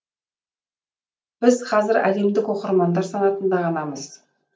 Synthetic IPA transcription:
b̥ɪzqʰɑzɪɾæ̰le̞md̪ɪkoqəɾmɑnd̪ɑɾsɑnɑt̪ənd̪ɑʁɑnɑməz̥

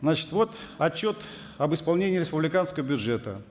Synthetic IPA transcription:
znat͡ɕɪ̥t̪vo̞t̪ | ɐt͡ɕːot̪ | ɐbɨspɐlˠnʲenʲɪːɾʲɪspʊblʲɪkanskəvəbʲʊʐɛt̪ə

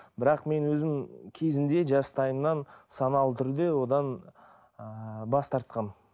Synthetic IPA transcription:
bɪɾɑqme̞nwɵzɪmkʲʰe̞zɪnd̪e̞ʒɑst̪ʰɑjəmnɑnsɑnɑlˠt̪ʰʏɾd̪e̞wo̞d̪ɑn | əbɑst̪ɑɾt̪̚qɑn

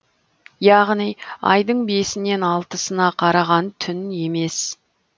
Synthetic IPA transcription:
jɑʁnijɑ̰jd̪əɴbe̞sɪne̞nɑlˠt̪əsənɑqʰɑɾɑʁɑnt̪ʰʏne̞me̞s

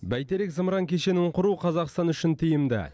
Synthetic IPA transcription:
bæjt̪eɾekzəmɾɑŋkʲʰe̞ʃe̞nɪɴqʰʊɾuqʰɑzɑqst̪ɑnʏʃɪnt̪ʰɪjɪmd̪ɪ̰

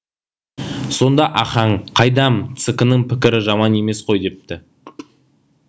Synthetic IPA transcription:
so̞nd̪ɑʔɑχɑɴqʰɑjd̪ɑmt̪sɨkənəɴpɪkʲɪɾɪʒɑmɑne̞me̞sqʰo̞jd̪e̞p̚t̪ɪ

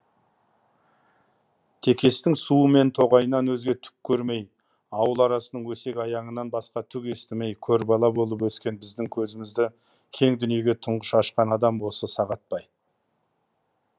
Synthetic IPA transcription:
t̪ʰe̞kʲʰe̞st̪ɪŋsuəme̞nt̪ʰo̞ʁɑjənɑnwɵzɡʲe̞t̪ʰʏ̥p̚kʲʰːɵɾme̞j | ɑwəlˠɑɾɑsənəɴwɵse̞kʲɑjɑɴənːɑnbɑsqɑt̪ʰʏkʲe̞st̪ɪme̞jkʲʰɵɾbɑlˠɑbo̞lˠəp̬wɵskʲe̞nbɪzd̪ɪŋkʲʰɵzɪmɪzd̪ɪ | kʲʰe̞ŋd̪ʏnije̞ɡʲe̞t̪ʰʊɴʁəʃɑʃqɑnɑd̪ɑmwo̞səsɑʁɑt̪̚pɑj

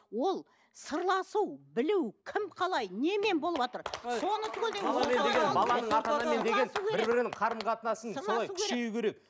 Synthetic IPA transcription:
wo̞lˠ | səɾlˠɑsuwbɪlɪwkʲʰɪmqʰɑlˠɑjne̞me̞nbo̞lˠəpwot̪əɾso̞nət̪ʰʏɡʲeld̪elˠɑmed̪eɡʲenbɑlˠɑɑt̪ɑɑmmend̪eɡensukʲebɪɾɾbɪɾɪnɪŋqʰɑɾəmqʰɑt̪ənɑsənssolˠɑjukʰʲeɾeejukʲʰe̞ɾe̞k̚

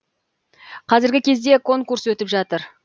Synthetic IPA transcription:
qʰɑzɪɾɡʲɪkʲʰe̞zd̪e̞kʰo̞ŋkurswɵt̪ɪpʒɑt̪əɾ

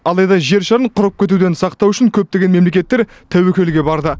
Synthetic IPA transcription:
ɑlˠɑjd̪ɑʒe̞ɾʃɑɾəɴqʰʊɾəp̚kʲʰe̞t̪ud̪e̞nsɑqt̪ɑwʏʃɪŋkʲʰɵp̚t̪e̞ɡʲe̞nme̞mle̞kʲe̞t̪ːe̞ɾ | t̪ʰæwekʲe̞lɡʲe̞bɑɾd̪ə

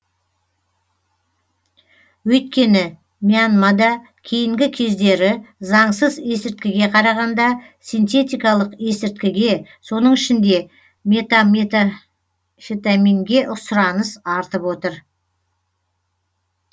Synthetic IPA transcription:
wɵjt̪̚kʲe̞nɪ | mijanmɑd̪ɑ | kʲʰijɪŋɡʲɪkʲʰe̞zd̪e̞ɾɪzɑɴsəze̞sɪɾt̪̚kʲɪɡʲe̞qʰɑɾɑʁɑnd̪ɑ | sijnt̪e̞t̪ijkɑlˠəqe̞sɪɾt̪̚kʲɪɡʲe̞so̞nəɴɪʃɪnd̪e̞ | met̪amt̪ | fit̪amiŋɡʲe̞ʔʊsʊɾɑnəsɑɾt̪əpwo̞t̪əɾ

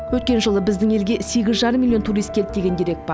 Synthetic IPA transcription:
wɵt̪̚kʲe̞nʒəlˠəbɪzd̪ɪŋe̞lɡʲe̞se̞ɡʲɪzʒɑɾəmːilʲˠio̞nt̪ʰuɾijst̪̚k̪ʲʰɪp̚d̪e̞ɡʲe̞nd̪ieɾe̞k̪̚bɑɾ

